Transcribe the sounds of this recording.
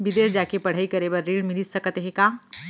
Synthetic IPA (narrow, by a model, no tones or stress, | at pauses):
bɪd̪eːsd͡ʒakepəɽ̤aikəɾebəɾːiːɽmɪlisəkət̪ɦɛkaː